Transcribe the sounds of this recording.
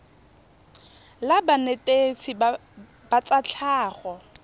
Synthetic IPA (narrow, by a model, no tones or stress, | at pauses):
labanetʼet͡sʰi | bat͡sʼat͡ɬʰaːɣɔ